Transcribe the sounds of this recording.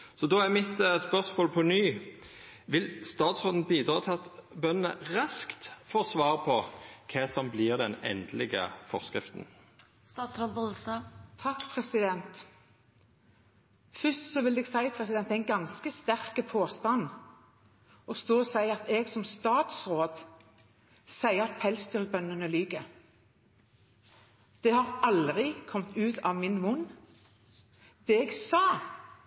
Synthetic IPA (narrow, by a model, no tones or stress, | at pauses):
sɔd̪oːæmɪt̪spœʁsmoːlpʰɔnyː | ʋɪlst̪ɑːt̪sʁoːd̪n̩biːd̪ɾɑːt̪ʰɑt̪bœnnə̰ʁɑskt̪foːsʋɑːʁəpʰɔkʰɛsɔmbliːʁd̪ɛnɛ̰nd̪lɪɡə̰fɔʁskɾɪft̪n | st̪ɑːt̪sɾod̪bɔsət̪ʰɑkːpʰɾɛsɪd̪ɛnt̪ | fʏst̪sɔʋɪlɛːɡsæɪpʰʁɛsɪd̪ɛnɛɪnɡɑnskəst̪æʁkəpʰoːst̪ɑn | ɔst̪oːɔsæɪɑt̪ɛːɡsɔmst̪ɑːt̪sʁoːd̪ | sæɪəɑt̪̚pʰɛlst̪yʁbœnːənəlyːɡə | d̪̥ɛhɑʁɑld̪ʁɪkʰɔmt̪ʉːt̪ɑːʋmɪnmʊnː | d̪̥ɛɛːɡsɑː